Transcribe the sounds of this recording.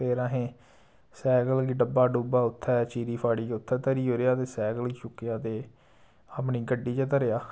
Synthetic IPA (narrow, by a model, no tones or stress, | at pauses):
peːɾãːɦẽː | sɛːɡəlɡiːɖəbːaːɖuːbaːʊt̪ʰːɛːt͡ʃiːɾiːpʰaːɽiːd͡ʒʊt̪ʰːɛːt̪əɾiːɦoːɾeaːt̪eːsɛːɡəliːt͡ʃʊkːejaːt̪eː | əpniːɡəɖːiːt͡ʃaːt̪əɾejaː